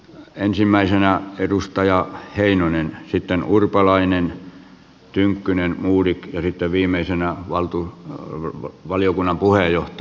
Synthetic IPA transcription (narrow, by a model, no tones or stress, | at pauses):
ensimːæisenæerust̪ɑjɑheinonensit̪ːenurpɑlɑinen | t̪yŋkːynenmuːrikjɑsit̪ːeʋʋiːmˑeisenæʋɑlt̪u | ʋɑliokunːɑmpuheˑjoht̪